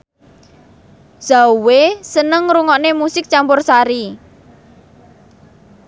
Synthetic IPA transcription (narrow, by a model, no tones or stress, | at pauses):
z̥awesənəŋɾuŋɔʔnemusɪk̚t͡ʃampʊrsaɾi